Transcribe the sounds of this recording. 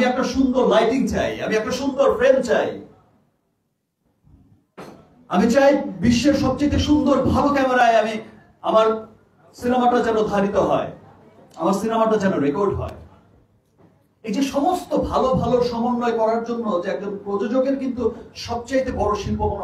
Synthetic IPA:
iɛk̚ʈaʃund̪oɾlajʈiŋt͡ɕaja̰miɛk̚ʈaʃund̪oɾfɾent͡ɕaj | amit͡ɕajbiʃːeɾʃɔb̚t͡ɕajt̪̬eʃund̪oɾbʱalokɛmeɾaeami | amaɾ | sinemaʈad͡ʑɛnod̪ʱaɾit̪oɦɔe | amaɾsinemaʈad͡ʑɛnoɾekoɾɖɦɔ̰e | ejd͡ʑeʃɔmost̪obʱalobʱaloɾʃɔmonːoekɔɾaɾd͡ʑonːod͡ʑeɛk̚dompɾod͡ʑod͡ʑoɡeɾkint̪uʃɔb̚t͡ɕajt̪ebɔɾoʃilpoko

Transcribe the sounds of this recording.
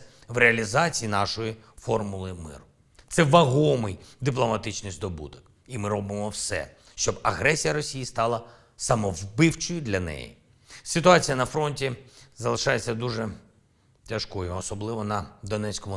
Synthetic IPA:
ʋɾeɐlʲizɑt͡sʲijinɑʃɔjifɔrmʊlˠɪmɪ̰ɾʊ | t̪sɛʋɐɦɔmɪjd̪ɪplˠɔmɐt̪ɪt͡ʃnʲisʲd̪ɔbṵd̪ɔk | imɪɾɔbɪmɔwsɛ̰ | ʃt͡ʃɔbɐɣɾɛsʲijɐɾɔsʲijist̪ɑlˠɐ | sɐmɔwbɪwt͡ʃɔjʊd̪lʲɐnɛ̰jḭ | sɪt̪ʊɑt͡sʲijɐnɐfɾɔnʲtʲizɐlˠɪʃɑjet͡sʲːɐd̪uʒɛ | tʲɐʃkɔjʊɔsɔblˠɪʋɔnɐd̪ɔnɛt͡sʲkɔmʊ

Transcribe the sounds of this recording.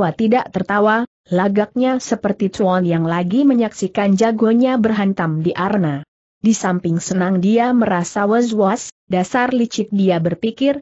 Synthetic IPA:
wat̪idaʔt̪ərt̪awa | laɡak̚ɲasəpərt̪it̪uɔnjaŋlaɡiməɲaksikand͡ʒaɡoɲabərɦant̪amdiʔarna | disampɪŋsənaŋdiaməɾasawəzwas | dasarlit͡ʃɪt̪̚diabərpikɪr

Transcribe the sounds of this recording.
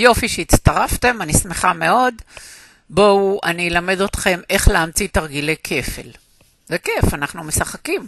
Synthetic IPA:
jo̞fiʃeit̪t͡st̪aʁafte̞manismeχame̞o̞d̪ | bo̞uʔanielame̞d̪o̞t̪χe̞me̞χleːmt͡sit̪aʁɡile̞jkʰe̞fḛl | vekefanaχnumesaχakim

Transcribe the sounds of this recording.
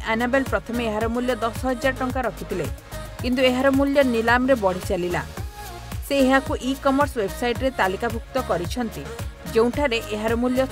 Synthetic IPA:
ʔanabelpɾɔt̪ʰɔmeːɦaɾɔmuljɔd̪ɔsɦɔd͡ʒaʈɔŋkaɾɔkʰit̪ʰile | kint̪ueɦaɾɔmuljɔnilamɾebɔɽ̤it͡ʃalila̰ | seːɦakuʔikɔmɔɾswebsajʈɾet̪alikabʱuk̚t̪ɔkɔɾit͡ʃʰɔnt̪id͡ʒeũʈʰaɾeʔeɦaɾɔmuljɔ

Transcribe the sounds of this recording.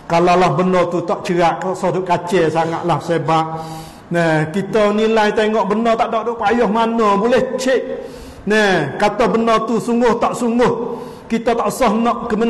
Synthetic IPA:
kalalahbənɔt̪ut̪ɔʔt͡ʃəaʔt̪ʔsɔhd̪ukat͡ʃɛsaŋa̰ʔ̪lahsebaʔ | nɛkit̪ɔnilajt̪eŋɔʔbənɔt̪aʔdoʔdoʔpajɔhmanɔbulɛht͡ʃɪʔ | nɛkat̪ɔhbənɔt̪usuŋɡʊht̪ɔʔsuŋɡʊh | kit̪ɔt̪aʔsɔhnɔʔkəmə

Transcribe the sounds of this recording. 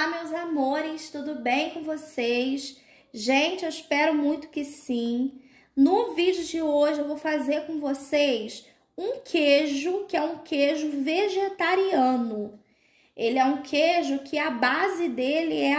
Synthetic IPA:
amewzamoɾɪst̪ud̪ʊbẽj̃kõvosejs | ʒẽt͡ʃɪewispɛɾʊmũj̃t̪ʊ̥kɪsĩ | nʊvid͡ʒʊd͡ʒɪoʒɪewvowfazeɾkõvosejs | ũkʰeʒʊkɪɛũkʰeʒʊveʒet̪aɾiɐ̃nʊ | elɪɛũkʰeʒʊkʰɪabazɪd̪elɪɛ

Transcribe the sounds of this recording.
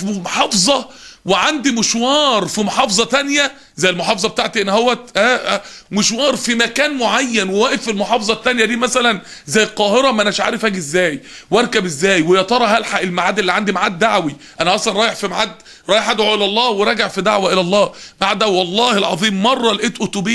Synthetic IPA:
fimħɑːfzˤɑ | weʕand̪imɪʃwɑːɾˤfimoħɑːfzˤɑt̪ænjæ | zæjːelmoħɑːfzˤɑbet̪aʕt̪iʔenːhowːæʔæː | meʃwɑːɾˤfimækæːnmoʕajːænwewæːʔefelmoħɑːfzˤɑt̪ːænjæd̪iːmæsælæn | zæjːlqɑːheɾæmæʔænæʃʕa̰ːɾefhæːɡiʔezːæːjwɑɾˤkæbezːæːjwejɑt̪ɑɾˤɑɦælħaʔelmaʕaːd̪ːelːiːʕand̪imaʕad̪̚ːaʕwiʔænæʔɑʔsˤlɑnˤɾˤɑːjeħfimaʕad̪ | ɾˤɑːjeħʔæd̪ʕoʔelæʔlˤːɑːweɾˤɑɡaʕfid̪aʕwæʔelælˤːɑːmaʕad̪d̪awiwɑlˤːɑːhelʕɑðˤiːmːɑrˤːɑlʔeːt̪ʔot̪ʊbiː

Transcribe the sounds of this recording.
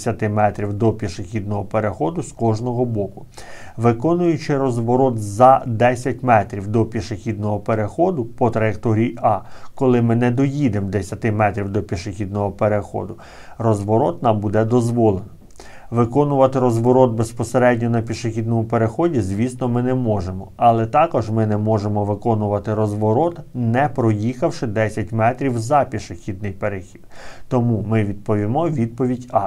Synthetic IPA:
sʲɐt̪ɪmɛt̪ɾʲiwd̪ɔpʲiʃexʲid̪̚nɔɦɔpeɾexɔd̪ʊskɔʒnɔɦɔbɔkʊ̥ | ʋɪkɔnʊjʊt͡ʃɪɾɔzʋɔɾɔt̪zɐd̪ɛsʲɐtʲmɛt̪ɾʲiwd̪ɔpʲiʃexʲid̪̚nɔɦɔpeɾexɔd̪ʊpɔt̪ɾɐjekt̪ɔɾʲijiɑkɔlˠɪmɪnɛd̪ɔjid̪emd̪esʲɐt̪ɪmɛt̪ɾʲiwd̪ɔpʲiʃexʲid̪nɔɦɔpeɾexɔ̰d̪ʊ | rɔzʋɔɾɔt̪nɑmbud̪ɛd̪ɔzʋɔlˠen | ʋɪkɔnʊʋɐt̪ɪɾɔzʋɔɾɔd̪̚bespɔseɾɛdʲnʲɔnɐpʲiʃexʲid̪nɔmʊpeɾexɔdʲizʋʲisnɔmɪnɛmɔʒemɔɐlˠɛt̪ɑkɔʒmɪnɛmɔʒemɔʋɪkɔnʊʋɐt̪ɪɾɔzʋɔɾɔt̪nɛpɾɔjixɐwʃɪd̪ɛsʲɐtʲmɛt̪ɾʲiwzɐpʲiʃexʲid̪̚nɪjpeɾexʲi̥d̪t̪ɔmumɪʋʲid̪̚pɔʋʲimɔʋʲid̪̚pɔʋʲidʲɑ

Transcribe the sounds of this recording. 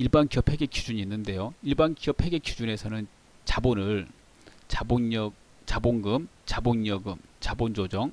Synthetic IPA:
iɭbankjʌpʰe̞ɡe̞k͈jud͡ʑuɲiinːɯnde̞joiɭbankjʌpʰe̞ɡe̞k͈jud͡ʑune̞sʰʌnɯn | t͡ɕabonɯɭ | t͡ɕabonʌ | t͡ɕaboŋɡɯm | t͡ɕabonjʌɡɯmt͡ɕabond͡ʑod͡ʑʌŋ

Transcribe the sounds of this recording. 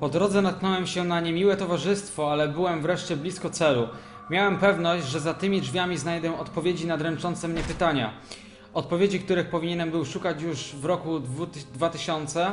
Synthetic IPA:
pɔd̪ɾɔd̪zɛnat̪̚knɔwɛmɕɛnaɲemʲiwɛt̪ɔvaʐɘst̪fɔalɛbɘwɛmvɾɛʂt͡ɕɛblʲiskɔt̪sɛlu | mʲjawɛmpɛvnɔɕd͡ʑʐɛzat̪ɘmʲiʐvʲamʲiznajd̪ɛɔt̪pɔvʲjed͡ʑinad̪ɾɛnt͡ʂɔnt̪sɛmɲɛpɘt̪aɲa̰ | ɔt̪̚pɔvʲjed͡ʑik̚t̪uɾɘxpɔvʲiɲɛnɛmbɘwʂukat͡ɕjuʐvɾɔkuvd̪vat̪ɘɕɔnt̪sɛ

